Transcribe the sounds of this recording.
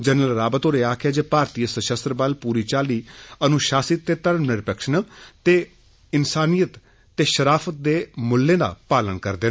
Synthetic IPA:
d͡ʒənəlɾaːbət̪oːɾeːaːkʰaːd͡ʒeːpaːɾt̪iːəsəʃəst̪ɾbəlpuːɾiːt͡ʃaːliːənũʃaːsit̪ːeːt̪əɾəmnɪɾpəkʃənːt̪eː | ɪnsaːnijət̪ː | eːʃəɾaːfʰət̪̚d̪eːmʊlːẽːd̪a̰ːpaːlənkəɾd̪eː

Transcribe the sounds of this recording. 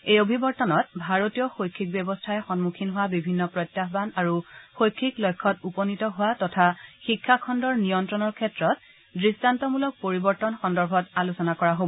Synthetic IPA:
ejobʱibɔɹtɔnɔt̚bʱaɹotijɔxojkʰːik̚bjɛbɔstʰaɛxɔnmukʰinɦʊwabibʱinːɔpɹɔjtːaxbanaɹuxojkʰːiklɔjkʰːɔtupɔnitɔɦʊwatɔtʰaxikʰːakʰɔndɔɹnijɔntɹɔnɔɹkʰɛtɹɔt̚ | dɹistantɔmulɔk̚poɹibɔɹtɔnxɔndɔɹbʱɔtalusɔnakɔɹaɦobɔ

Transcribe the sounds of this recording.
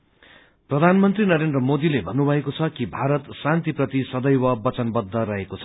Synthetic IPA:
prʌd̪ʱanmʌnt̪rinʌɾend̪rʌmod̪ilebʱʌnːubʱʌekot͡sʰʌkibʱaɾʌt̪sãnt̪iprʌt̪isʌd̪ʌjwʌbʌt͡sʌnbʌd̪ʱːʌɾʌɦekot͡sʰʌ̥

